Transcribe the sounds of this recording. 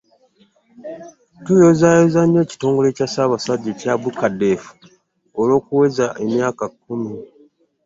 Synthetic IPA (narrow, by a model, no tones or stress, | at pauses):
tujozajozaɲːo̞ːci̥to̞ːŋɡo̞le̞ːcasaːβasaɟːecabukade̞fu̥ | olo̞ːkuwe̞zaʔe̞mjaːkakːumi